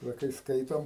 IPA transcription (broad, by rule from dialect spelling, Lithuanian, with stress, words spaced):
ˈʋɐ kɐɪ ˈskɐɪtoːm